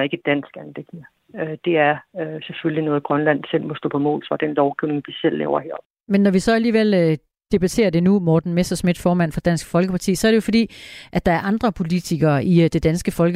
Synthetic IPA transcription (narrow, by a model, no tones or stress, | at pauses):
ɐe̝ɡ̥əd̥æn̰sɡ̥ænleɡ̥nə | ød̥e̝æɐøseføllinɔ̽ːð̩ˠɡ̥ʁɶnlæn̰sel̰mɔsd̥ɔ̰ːpʰɒ̽mɔ̰ːlsɑd̥enlɒʊɡ̥iʊne̝ŋd̥isel̰ːɛ̰ːʊɐhḛɐ̰ | menːɒʋisɒ̽æliːʋel̰ | d̥e̝b̥æt͡sʰe̝̰ːɐd̥e̝numɒːd̥n̩mesd̥ɐsmid̥fɒːmæn̰fɒd̥æn̰sɡ̥fɒ̽lɡ̥əpʰɑ̈t͡sʰḭːsɒ̽æɐɾ̥ejo̝fɒ̽d̥ḭːʔæd̥ɑ̈æɐʔɑ̈nd̥ʁɐpʰo̝lit͡sʰiɡ̥ɐʔid̥e̝d̥ænsɡ̥əfɒ̽lɡ